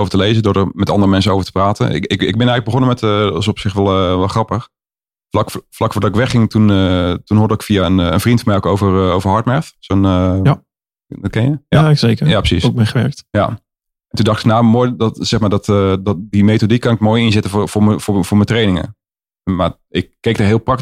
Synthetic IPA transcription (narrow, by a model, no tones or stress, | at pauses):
owvətəlejzədʊɹdərmɛtɑ̰ndərəmɛns̬ənowvəɹtəpraːtə̰nɪ̰ɪkɪɡ̚bɪnɛɣələɡbəχonəmɛtəɑsɔpsɪxʋɛlˠʋɛlˠχrɑpəx | flɑkflɑkfʊːdɑtɪkʋɛχɪŋtunətunɦʊːɹdəɪkfiaənə̰nvrintfərmɛjokowvərowvəɦɑɹtmɛɹθsonə | kɛnjəasekəjaːprə̥sisk̚eχəɛɹk̚tja̰ | ɛntundɑχtɪknawmojdɔtsɛχmaːɹdɔtəddimetodikkɑnɪkmoːjɪnzɪtəffʊməfʊːvʊːɹmətrejnɪŋə̰ | ma | ɪkkːejk̚daɹɦɪːlˠprɑk̚